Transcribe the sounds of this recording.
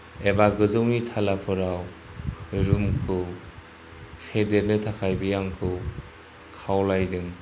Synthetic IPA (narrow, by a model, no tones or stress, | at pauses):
ebaɡɯzɯwnitʰalapʰɯɾaw | ɾumkʰɯ | pʰedeɾnɯtʰakʰajbijaŋkʰɯw | kʰawlajdɯŋ